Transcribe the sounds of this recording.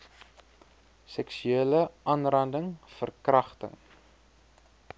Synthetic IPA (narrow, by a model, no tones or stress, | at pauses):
sɛksyeːləʔɐːnrɐndəŋfərkrɐχtə̰ŋ